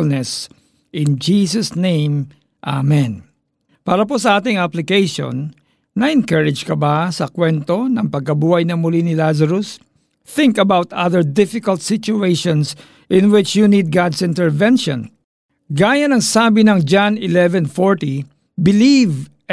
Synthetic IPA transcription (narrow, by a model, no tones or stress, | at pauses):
lnɛs | ʔɪ̃nd͡ʒiːsɐsnẽjm | ʔa̰mɛ̃n | paːɾɐposɐʔaːt̪ɪŋaplɪkejʃɔ̰̃nː | ɐʔɛŋkɐɹɪd͡ʒkɐbasɐkwɛnt̪onɐŋpɐɡ̚kɐbuːhɐjnɐmʊlinɪlas̬ɐɾos | θɪ̃ŋkɐbawt̪a̰ðəɹd̪ɪfɪkɐlt̪̚sɪt͡ʃʊejʃɔ̃ns | ʔɪ̃nwɪt͡ʃjunid̪̚ɡad̪sɪ̃nt̪ɛɹvɛnʃɔ̰̃n | ɡaːjɐnɐŋsaːbɪnɐŋd͡ʒanɪlɛvɛ̃nfɔɹt̪i | bɪliv